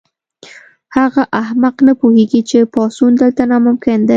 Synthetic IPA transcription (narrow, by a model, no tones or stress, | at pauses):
haɣaʔahmaqnəpuheɡit͡ʃepɑsund̪əlt̪anamʊmkɪnd̪e